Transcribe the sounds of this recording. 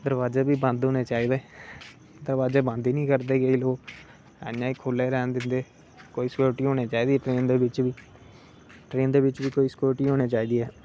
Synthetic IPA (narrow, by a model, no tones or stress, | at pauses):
d̪əɾʋaːzeːbiːbãːnd̪ɦoːneːt͡ʃaːiːd̪eː | d̪əɾʋaːzeːbãːnd̪iːnĩːkəɾd̪eːɡeiːloːkː | ãːiːkʰoːleːɾɛːnd̪ɪnd̪eː | koːiːskjoːɾʈiːɦoːñeːt͡ʃaːiːd̪iːɛːʈɾeːnd̪eːʋɪt͡ʃʋiː | ʈɾeːnd̪eːʋɪt͡ʃʋiːkoːiːskoːɾʈiːɦoːɽ̃eːt͡ʃaːiːd̪iːɛː